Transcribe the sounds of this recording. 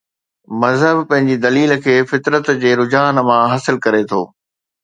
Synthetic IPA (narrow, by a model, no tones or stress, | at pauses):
mɐzɦəbpɐ̃ɦɪ̃ɲd͡ʑid̪ɐliːlkʰeːfɪt̪ɾət̪d͡ʑeːɾʊd͡ʑaːnmãɦɐsɪlkɐɾet̪ʰo̰ː